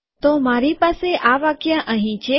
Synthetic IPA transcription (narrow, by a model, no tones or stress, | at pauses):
t̪omaɾipaseʔaʋakjaʔəɦĩt͡ʃʰe